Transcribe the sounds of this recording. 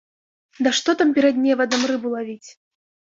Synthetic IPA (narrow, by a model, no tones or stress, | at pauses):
d̪ɐʂt̪ɔt̪ampʲɛɾɐd̪̚nʲɛvɐd̪ɐmrɨbulˠavʲit͡sʲ